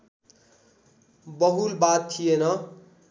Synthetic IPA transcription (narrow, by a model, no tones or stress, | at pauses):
bʌɦulbat̪ʰːijenʌ